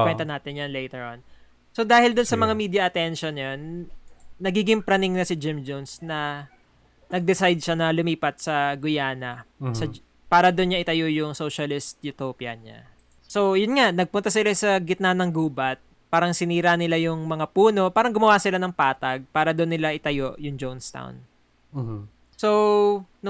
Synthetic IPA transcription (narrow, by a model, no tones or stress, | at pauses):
wɛnt̪ɐnaːt̪ɪnjɐnlɛjt̪ɛɹʔɐn | so̞d̪aːhɪld̪ʊnsɐmɐŋamiːd̪jɐʔɐt̪ɛnʃonjɐnː | ɐɡiːɡɪŋpɾɐnɪŋnɐsɪd͡ʒɪmd͡ʒonsnɐ | nɐɡ̚d̪ɪsajd̪̚ʃanɐlʊmiːpɐt̪̚sɐɡʊjaːnɐsɐ | paːɾɐd̪ʊnɲaʔɪt̪ɐjojʊŋsowʃɐlɪst̪̚jʊt̪opjɐ̰ɲa̰ | so̞jʊnŋaʔnɐɡ̚pʊnt̪ɐsɪlasɐɡɪt̪̚naːnɐŋɡuːbɐt̪̚ | paːɾɐŋsɪniːɾanɪlajʊŋmɐŋapuːno̞paːɾɐŋɡʊmɐwasɪlanɐŋpaːt̪ɐɡ̚paːɾɐd̪onːɪlaʔɪt̪ɐjoʔjʊŋd͡ʒownst̪a̰wn | son